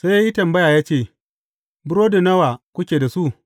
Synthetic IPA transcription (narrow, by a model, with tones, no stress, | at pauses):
sa˦jʔi˦tɐ˨mbɐ˦jaː˨jaː˦t͡ʃeː˦˨ | bʊ˦ɾoː˦do˨nɐ˦wa˨kʷʊ˦kʲeː˨da˨su˦ʔ